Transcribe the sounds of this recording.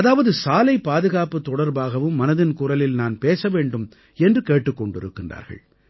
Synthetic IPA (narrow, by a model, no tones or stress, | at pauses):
ɐðaːʋɐðɯsaːlɐɪpːaːðɯɣaːpɯt̪ːɔɽɐɾbaːɣɐʋɯmːɐnɐðɪnkuːɾɐlɪlnaːnpeːsɐʋeːɳɖɯm | ɛndrɯkeːʈːɯkːɔɳɖɪ̰ɾɯ̰kːɪndra̰ːɾɣɐ̰ɭ